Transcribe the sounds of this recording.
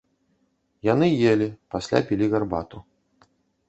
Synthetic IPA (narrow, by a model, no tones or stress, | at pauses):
janɨjelʲipasʲlʲa̰pʲilʲiɣarbat̪u